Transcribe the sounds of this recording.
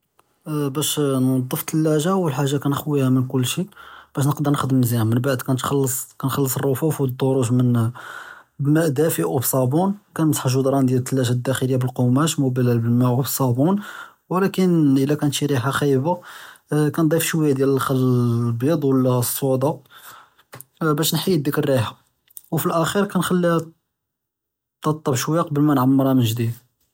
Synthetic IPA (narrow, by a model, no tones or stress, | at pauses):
bæʃnɑd̪ˤːəft̪ʰəlːæʒawəlħaʒːakænəxwihæmənkʊlːʃiʔb̥æʃ̬nəqd̪əɾˤnəxd̪əmnzihæmənbaʕd̪kænt̪xɑlːəsˤkænxɑlːəsˤərˤːofufwd̪ˤːoɾˤuʒmən | bmæʔd̪æfəʔubsˤɑbunkænmsˤħʒud̪ɾˤɑnd̪jælt̪ʰːəlːæʒæd̪ːæxəlijːabəlqomæʃmubælælbəlmæʔbəsˤɑbun | wlækənʔəlːækænt̪ʃiɾiħaxæjba | kænd̪ˤifʃwəjːad̪jæləlxælːəbid̪ˤwəlːæsˤːoʕd̪ɑ | bæʃnħij̚ːd̪əkəɾːiħa | wfilʔæxiɾkænxælːi | t̪ɑt̪ˤːɑbʃwəjaqɑbəlmænʕamːəɾɑmənʒd̪id̪